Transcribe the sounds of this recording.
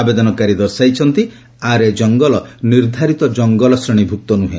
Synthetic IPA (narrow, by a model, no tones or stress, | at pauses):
abed̪ɔnɔkaɾid̪ɔɾsajt͡ʃʰɔnt̪i | aɾed͡ʒɔŋɡɔlɔniɾd̪ʱaɾit̪ɔd͡ʒɔŋɡɔlɔsɾeɽ̃ibʱuk̚t̪ɔnuɦḛ